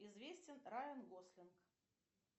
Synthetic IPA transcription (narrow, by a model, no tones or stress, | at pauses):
izvʲesʲt͡sʲɪnɾajʲɪnɡosʲlʲɪnk